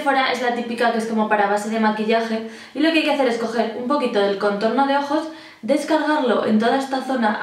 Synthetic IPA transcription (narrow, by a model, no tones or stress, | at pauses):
foɾaʔe̞zlat̪ipikakee̞sko̞mo̞paɾaβ̞ase̞ð̞e̞makiʎaxe̞ | ilo̞keajke̞aθe̞ɾe̞sko̞xe̞ɾumpo̞kit̪o̞ðe̞lko̞nt̪o̞ɾno̞ð̞e̞o̞xo̞z | d̪e̞skaɾɣ̞aɾlo̞ʔe̞̰nt̪oðae̞st̪aθo̞na